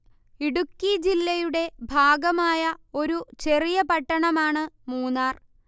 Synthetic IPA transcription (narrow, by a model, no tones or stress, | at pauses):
iɽukːid͡ʑilːɐjuɽe̞bʱaːɡɐmaːjɐo̞ɾut͡ɕe̞rijɐpɐʈːɐɳɐmaːɳɨmuːnaːr